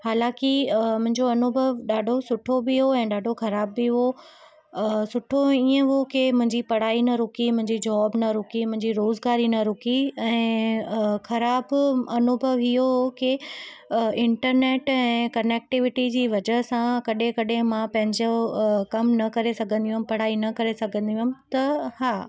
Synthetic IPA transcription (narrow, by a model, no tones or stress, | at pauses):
haːlãːkɪmʊ̃ɦɪ̃ɲd͡ʑoɐnʊbʱəʋɗaːɖʱosʊʈʰobɪɦoɛ̃ːɗaːɖʱoxɐɾaːbːiɦo | sʊʈʰoiːə̃ɦokemʊ̃ɦɪ̃ɲd͡ʑipɐɽ̤aːinɐɾʊkimʊ̃ɦɪ̃ɲd͡ʑid͡ʑɔːbnɐɾʊkimʊ̃ɦɪ̃ɲd͡ʑiɾoːzɡaːɾinɐɾʊkiɛ̃ː | xɐɾaːbɐnʊbʱəʋɪɦoɦoki | ɪ̃ɳʈəɾneːʈɛ̃ːkɐneːk̚ʈɪʋɪʈid͡ʑiːʋɐd͡ʑəɦsãkɐɗɪ̃kɐɗɪ̃mãpɐ̃ɦɪ̃ɲd͡ʑokɐmnɐkɐɾesɐɡʱə̃nd̪iũɦm̆pɐɽ̤aːinɐkɐɾesɐɡʱə̃nd̪ijmɪ̆t̪ɐhaː